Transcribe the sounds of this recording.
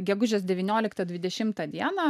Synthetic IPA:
ɡʲɛɡʊʒʲɛːs̬d̪ʲɛʋʲɪnʲoːlʲɪkt̪ɐd̪ʲʋʲɪd̪ʲɛʃʲɪmt̪ɐd̪ʲiɛnɐː

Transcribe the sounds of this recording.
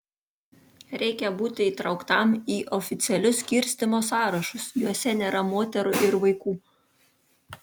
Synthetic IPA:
ɾʲɛɪkʲɛbuːt̪ʲɪiːt̪ɾɒʊkt̪ɑˑmiːʔɔfʲɪt̪sʲɪɛlʲʊsʲkʲɪɾʲsʲt̪ʲɪmoːsɑːɾɐʃʊsjuɔsʲɛnʲeːɾɐmoːt̪ʲɛɾʊʔɪɾʋɐɪkuː

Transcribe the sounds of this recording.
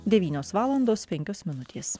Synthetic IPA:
d̪ʲɛʋʲiːnʲoːsʋɑːlˠɐnd̪oːspʲɛŋʲkʲoːsmʲɪnʊt̪ʲeːs

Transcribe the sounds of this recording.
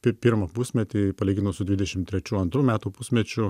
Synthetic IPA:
pʲɪpʲɪɾmɐpusʲmʲɛt̪ʲipɐlʲiːɡʲɪnosʊd̪ʲʋʲɪd̪ʲɛʃʲɪmt̪ʲɾʲɛt͡ʃʲuːɐnt̪ɾuːmʲæːt̪uːpusʲmʲɛt͡ʃʲʊ

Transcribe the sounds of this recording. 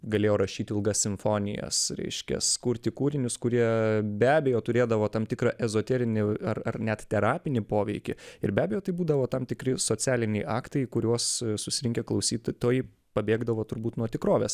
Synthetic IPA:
ɡɐlʲeːjoːɾɐʃʲiːt̪ʲɪɪlˠɡɐsʲsʲɪɱfoːnʲɪ̰jɛ̰sɾʲɛ̰ɪʃʲkʲɛ̰skʊɾʲt̪ʲɪkuːɾʲɪnʲʊskʊɾʲiɛbʲæːbʲɛjoːt̪ʊɾʲeːd̪ɐʋoːt̪ɐmt̪ʲɪkɾɑʔɛzoːt̪ʲɛɾʲɪnʲɪɐrɐrnʲɛt̪t̪ʲɛɾɑːpʲɪnʲɪpoːʋʲɛɪkʲɪɪɾbʲæːbʲɛjoːt̪ɐɪbuːd̪ɐʋoːt̪ɐmt̪ʲɪkɾʲɪsoːt͡s̪ʲæːlʲɪnʲɛɪʔɑːkt̪ɐɪkʊɾʲuɔssʊsʲɪɪŋʲkʲɛklˠɐʊsʲiːt̪t̪oːjɪ | pɐbʲeːɡd̪ɐʋoːt̪ʊɾbuːt̪nuɔt̪ʲɪkɾoːʋʲeːs

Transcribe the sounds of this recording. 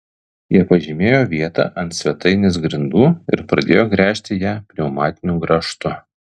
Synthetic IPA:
jiɛpɐʒʲɪmʲeːjoːʋʲiɛt̪ɑ̰ːʔɐnt̪sʲʋʲɛt̪ɐɪnʲɪsɡɾʲɪnd̪uːɪɾpɾɐd̪ʲeːjoːɡɾʲæːʃʲt̪ʲɪjæːpʲɾʲɛʊmɑːt̪ʲɪnʲuːɡɾɐʃt̪ʊ

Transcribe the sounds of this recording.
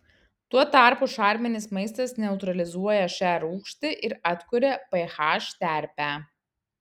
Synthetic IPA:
t̪uɔt̪ɑˑɾpʊʃɑˑɾʲmʲɛnʲɪsmɐɪst̪ɐsnʲɛʊt̪ɾɐlʲɪzuɔjɛʃʲæɾuːkʃʲt̪ʲɪʔɪɾɐt̪kʊɾʲɛpɐɪxɑːʃt̪ʲæˑɾʲpʲæːˑ

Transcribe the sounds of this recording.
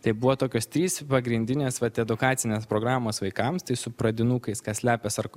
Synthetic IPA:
t̪ɐɪbuʋoːt̪oːkʲoːst̪ʲɾʲiːspɐɡɾʲɪnʲd̪ʲɪnʲeːsʋɐt̪ɛd̪ʊkɑːt̪sʲɪnʲeːspɾoːɡɾɑːmoːsʋɐɪkɐmst̪ɐɪsʊpɾɐd̪ʲɪnuːkɐɪskɐsʲlʲæːpʲɛsɐɾ

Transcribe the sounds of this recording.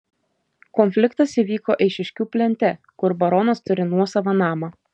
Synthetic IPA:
kɔnʲfʲlʲɪkt̪ɐsiʋʲiːkoːʔɛɪʃʲɪʃʲkʲuːpʲlʲɛnʲt̪ʲɛ | kʊɾbɐɾɔnɐst̪ʊɾʲɪnuɔsɐʋɐnɑːmɑ

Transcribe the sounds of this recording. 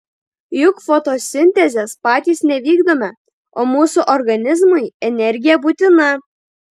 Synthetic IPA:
jʊkfot̪oːsʲɪnʲt̪ʲɛzʲespɑːt̪ʲiːsnʲɛʋʲiːɡd̪oːmʲɛ | oːmuːsuʔɔɾɡɐnʲɪzmʊɪɛnʲɛɾʲɡʲɪjɛbuːt̪ʲɪnɐ

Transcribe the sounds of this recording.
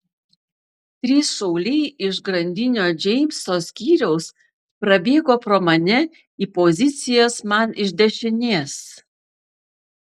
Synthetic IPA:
t̪ʲɾʲiːsʃɔʊlʲɛɪɪʃɡɾɐnʲd̪ʲɪnʲoːd͡ʒʲɛɪmʲsoːsʲkʲiːɾʲɛʊs | pɾɐbʲeːɡoːpɾoːmɐnʲɛ | iːpozʲɪt̪sʲɪjoːsmɐnɪʒʲd̪ʲɛʃʲɪnʲeːs

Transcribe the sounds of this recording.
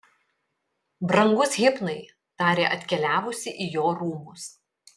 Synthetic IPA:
bɾɐŋɡʊsɣʲɪpnɐɪ | t̪ɑːɾʲeːʔɐt̪ʲkʲɛlʲæːʋʊsʲɪʔijoːɾuːmʊs

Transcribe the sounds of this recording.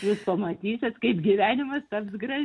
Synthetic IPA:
juːspɐmɐt̪ʲiːsʲɛt̪kɐɪpɡʲiʋʲæːnʲɪmɐst̪ɐpsɡɾɐ

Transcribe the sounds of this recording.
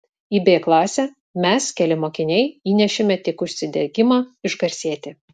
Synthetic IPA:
iːbʲeːklˠɑːsʲɛ | mʲɛskʲɛlʲɪmoːkʲɪnʲɛɪiːnʲɛʃʲɪmʲɛt̪ʲɪkʊʃʲsʲɪd̪ʲɛɡʲɪmɑːɪʒɡɐɾʲsʲiɛt̪ʲɪ

